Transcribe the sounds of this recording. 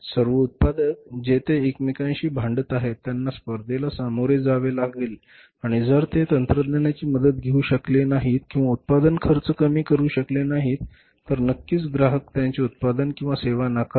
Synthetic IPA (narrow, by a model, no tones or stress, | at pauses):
səɾʋəut̪̚pad̪ək̚d͡ʑet̪eːkmikãjɕiːbʱãɳɖət̪aɦet̪ːjanːaspəɾd̪ʱelasamoɾed͡zaʋelaɡel | aɽ̃id͡zəɾt̪et̪ənt̪ɾəd̪nanjat͡ɕiːməd̪ət̪̚ɡʱeuːɕəklenaɦit̪kĩw̃ʋaut̪̚pad̪ənkʰəɾt͡səkəmiːkəɾuːɕəklenaɦit̪ː | əɾnəkːiːt͡sɡɾaɦəkt̪jãɲt͡seut̪̚pad̪ənkĩw̃ʋaseʋanakə